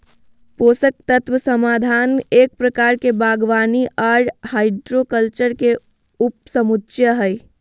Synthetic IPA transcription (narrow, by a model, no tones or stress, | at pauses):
poːsək̚t̪ət̪wəsəmaːd̪ʱaːneːk̚pɾəkaːɾkebaːɡʋaːniʔaːɾhaːɪɖɾokəlt͡ʃəɾke | ʊp̚səmut̪ːʃjəɦəj